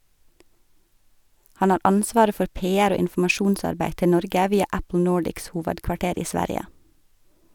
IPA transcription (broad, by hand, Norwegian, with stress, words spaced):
ˈhɑn ˈɑːɾ ˈɑnsʋɑːɾə ˈfɔɾ ˈpeːæɾ ˈoː ɪnfʊmɑˈʃuːnˌsɑɾbæɪ ˈtɪ ˈnɔɾɡə ˈʋiːɑ ˈæpl̩ ˈnoːɖɪks ˈhuːʋədkʋɑˌʈeːɾ ˈiː ˈsʋæɾjə